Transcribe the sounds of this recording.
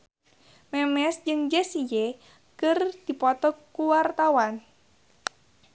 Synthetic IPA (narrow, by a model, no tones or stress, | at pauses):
mɛmɛsd͡ʒɨŋd͡ʒəsije | kɨrd̥ipɔt̪ɔkuwart̪awan